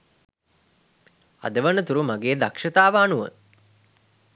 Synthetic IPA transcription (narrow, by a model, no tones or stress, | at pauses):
a̰d̪əʋənət̪uɾumaɡeːd̪akʂɐt̪aːʋəːnuʋə̰